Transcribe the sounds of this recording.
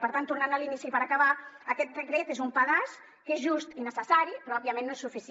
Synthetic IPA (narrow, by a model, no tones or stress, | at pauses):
pəɾt̪ant̪urnanəlinisipəɾakaβaəkɛt̪̚rəkɾet̪ezumpəɣas | kezʒust̪inəsəsaɾipɾɔɔbiəmẽnːoesufis